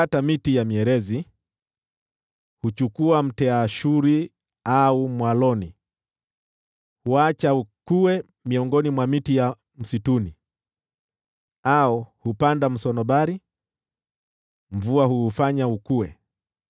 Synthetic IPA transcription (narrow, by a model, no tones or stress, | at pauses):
atamitijamiɛɾɛzi | hut͡ʃukuam̩tɛaʃuɾi | aumwalɔni | huat͡ʃaukuwɛ | miɔŋɡɔnimwamitija | m̩situni | aɔhupandam̩sɔnɔɓaɾi | ɱvuahuːfaɲaukuwɛ